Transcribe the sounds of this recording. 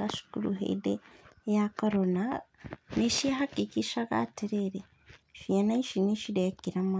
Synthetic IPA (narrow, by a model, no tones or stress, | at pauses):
aʃi̥kulṵɦḛidejakoɾonaneʃehakikiʃaka̰teɾeɾe | ʃianaiʃiniʃidekiɾama